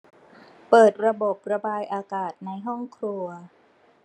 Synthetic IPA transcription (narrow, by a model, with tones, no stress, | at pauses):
pɤː˨˩t̪̚ɾa˧bo˨˩p̚ɾa˧baː˧jʔaː˧kaː˨˩t̪̚na˧jɦɔ˥˩ŋkʰɾu˧ɐ